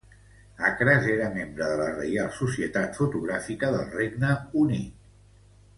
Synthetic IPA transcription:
akɾazeɾəmembɾəðələrə̰jalˠsusiət̪at̪fut̪uɣɾafikəðəlˠreɡnəunit̪

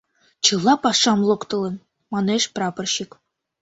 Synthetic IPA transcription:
t͡ɕɯlˠːɑpɑʂɑmlˠŏkt̪ɤ̆lˠɤ̆n | mɑneʃprɑpɤ̆rɕik

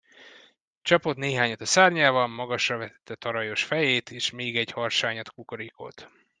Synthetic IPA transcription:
t͡ʃɒpo̞t̪neːɦaːɲɒt̪ɒsaːrɲaːvɒmmɒɡɒʃrɒvɛt̪ɛt̪ʰːɛt̪ɒɾɒjo̞ʃfɛjeːt̪ʰeːʃmeːɡɛɟhɒrʃaːɲɒt̪kukoɾiko̰t̪

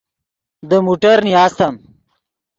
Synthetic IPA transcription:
d̪əmuʈɐɾnijaːst̪ɐm

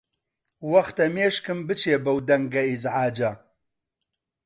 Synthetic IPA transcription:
wɐxt̪ɐmeːʃkɨmbɨt͡ʃʰeːbɐwd̪ɐŋɡɐizʕaːd͡ʒɐ

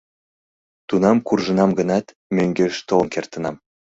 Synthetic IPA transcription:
t̪unɑmkurʒə̆nɑmɡənɑt̪ | møŋɡeʃt̪olnkert̪ə̆nɑm

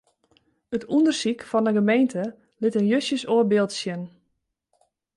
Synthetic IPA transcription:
ətʰundərsikfɔnəɡəmejntʰə | lɪtənjøsjəsoːərbɪlˠtsjən

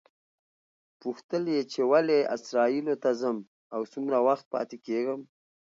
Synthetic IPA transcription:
puxt̪əljet͡ʃewaleɪ̰sɾɑilot̪azəm | awsumɾawaxt̪̚pɑ̰t̪ekeɡəm

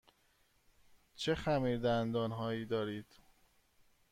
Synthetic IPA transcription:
t͡ʃʰexæmiːɾd̪ænd̪ɒːnɦɒːiːd̪ɒːɾiːd̪̥

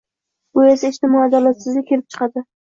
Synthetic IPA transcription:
ʊesaɪʃt̪ɪmɒad̪alat̪sɪzlʲɪkʲʰːe̞lɪp̚t͡ʃʰɨ̥qʰɑd̪ɪ

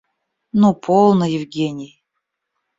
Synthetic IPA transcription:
nupʰolˠnəjɪvɡʲenʲɪj

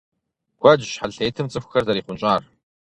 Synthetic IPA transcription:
ɡʷɐd͡ʒɕħaɮeːtʰɨmt͡sʼɨxʷxɐrzɐɾiːχʷʊnt͡ʃʼaːr

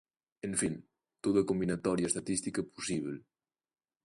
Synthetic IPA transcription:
eɱfin | t̪oðɐkombinat̪ɔɾjaest̪at̪ist̪ikɐpusiβel

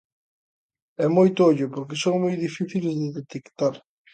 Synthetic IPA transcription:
ɛmojt̪ʊoʎʊpoɾkɪsoŋmojðifiθilzeðet̪ekt̪aɾ

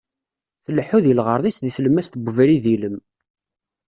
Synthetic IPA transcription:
θəlħuðjəlʁəɾˤðˤisðiθləmːæst̪əɡʷəvɾiðiləm

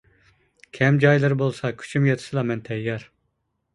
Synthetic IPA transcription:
kʲʰɛmd͡ʒɑjlˠɨɾbolˠsɑkʲʰy̥t͡ʃʰymjɑt̪ʰɨ̥sɨlˠɑmɛnt̪ʰɛjɛɾ

